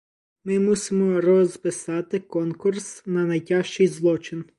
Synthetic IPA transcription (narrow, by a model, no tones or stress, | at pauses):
mɪmusɪmɔrɔzpɪsɑt̪ɪkɔnkursnɐnɐjtʲɑʃt͡ʃɪjzlˠɔt͡ʃɪn